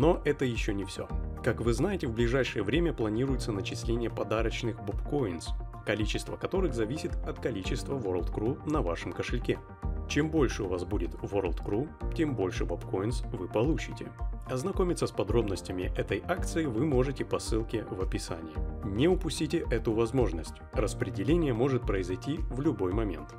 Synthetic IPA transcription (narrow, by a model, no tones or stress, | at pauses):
no̞ʔɛt̪əjɪɕːonʲɪfsʲo̞̰kakvɨznajɪtʲɪvblʲɪʐajʂɨjəvɾʲemʲəplˠɐnʲiɾʊjɪt̪sənət͡ɕɪsʲlʲenʲɪjəpɐd̪aɾət͡ɕnɨxbopkojɪnskɐlʲit͡ɕɪst̪vəkɐt̪o̞ɾɨxzɐvʲisʲɪt̪ɐt̪kɐlʲit͡ɕɪst̪vəvoɾəlˠt̪kɾunɐvaʂɨmkəʂɨlʲkʲe | t͡ɕembo̞lʲʂɨʊvasbudʲɪt̪voɾlˠt̪kɾutʲembo̞lʲʂɨbɐpko̞ɪnsvɨpɐlˠut͡ɕɪtʲɪ̰ɐznɐko̞mʲɪt̪səspɐd̪ɾo̞bnəsʲtʲɪmʲɪʔɛt̪əjʔak̚t̪sɨɪvɨmo̞ʐɨtʲɪpɐsɨlˠkʲɪvɐpʲɪsa̰nʲɪjɪnʲɪʊpʊsʲtʲitʲɪʔɛt̪ʊvɐzmo̞ʐnəsʲtʲrəspɾʲɪdʲɪlʲenʲɪjəmo̞ʐɨt̪̚pɾəɪzɐjtʲivlʲʊbo̞jmɐmʲe̞̰nt̪